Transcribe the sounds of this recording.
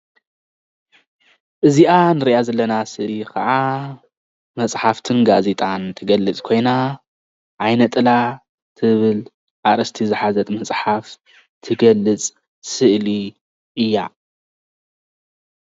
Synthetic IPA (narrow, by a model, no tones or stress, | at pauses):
ʔɨziʔanɨɾiʔazɐlːɐnasɨʔlikʰɐʕa | mɐt͡sʼħaft̪ʰɨnɡazet̪ʼant̪ʰɨɡɐlːɨt͡sʼkʰo̞jna | ʕajnɐt̪ʼɨla | t̪ʰɨβɨl | ʔaɾɐst̪ʰizɨħazɐt̪ʼmɐt͡sʼħaf | t̪ʰɨɡɐlːɨt͡sʼ | sɨʔli | ʔɨjːa